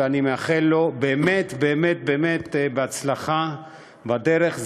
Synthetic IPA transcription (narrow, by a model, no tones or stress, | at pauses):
eanimeaχelːo̞beːmet̪beːmet̪̚beːmet̪beat͡slaχa | badeʁeχz